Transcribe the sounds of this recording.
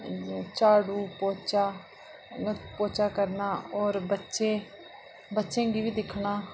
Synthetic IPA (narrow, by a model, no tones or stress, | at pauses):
t͡ʃaːɽuːpoːt͡ʃaː | poːt͡ʃaːkəɾnaːoːɾbətːʃeː | bətːʃẽːɡiːʋiːd̪ɪkʰɳaː